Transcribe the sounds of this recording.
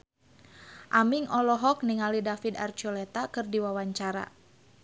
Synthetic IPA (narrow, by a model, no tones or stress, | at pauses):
ʔamiŋʔɔlɔɦɔk̚niŋalidafid̪a̰rt͡ʃɔlɛt̪akɨrdiwawaɲt͡ʃaɾa̰